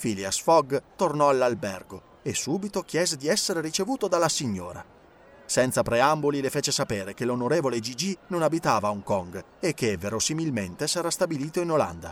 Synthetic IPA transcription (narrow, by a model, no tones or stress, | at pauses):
filiasfɔɡt̪ornɔalːalbɛrɡo | esːuːbit̪ok̟jɛːzed̪iɛsːeɾeɾit͡ʃevuːt̪od̪alːasiɲːo̰ːɾa̰ | sɛnt̪sapɾeambolilefeːt͡ʃesapeːɾekelonoɾeːvoled͡ʒid͡ʒinonabit̪aːvauŋkɔŋɡ | ekːeveɾosimilment̪esɛɾast̪abiliːt̪oinola̰nd̪a̰